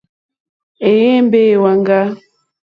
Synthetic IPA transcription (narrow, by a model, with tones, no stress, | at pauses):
e˨je˦m˦be˦˨wa˨ŋɡa˦